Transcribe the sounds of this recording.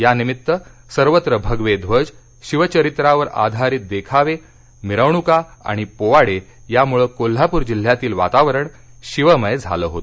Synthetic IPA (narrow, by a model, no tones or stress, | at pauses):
janimit̪ːəsəɾʋət̪ɾəbʱəɡʋed̪ʱʋəd͡ʑ | ɕiʋət͡ɕəɾit̪ɾaʋəɾa̰d̪ʱaɾiːt̪̚d̪ekʰaʋe | miɾəʋɳukaa̰ɽ̃ipoʋaɽe | jamuɭəːkol̤ːapuɾd͡ʑil̤jat̪iːlʋa̰t̪aʋəɾəɳ | ɕiʋəməjd͡zʱa̰ləːɦot̪o